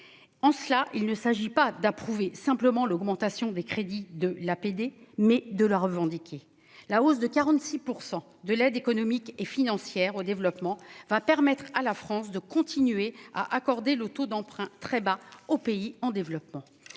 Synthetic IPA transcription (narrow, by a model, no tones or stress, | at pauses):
ɑ̃səlaʔilnəsaʒipad̪apχuvesɛ̃pləmɑ̃lɔɡmɑ̃t̪asjɔ̃d̪ekχed̪id̪əlaped̪emɛd̪ələʁəvɑ̃d̪ikʲʰe | laos̬d̪əkaʁɑ̃t̪sipuʁsɑ̃ | d̪əlɛd̪ekɔnɔmikefinɑ̃sjɛʁod̪evlɔpmɑ̃vapɛʁmɛt̪χalafχɑ̃sd̪əkɔ̃t̪inɥea̰ʔakɔʁd̪elət̪od̪ɑ̃pχɛ̃t̪χɛbaopeiɑ̃d̪evlɔpmɑ̃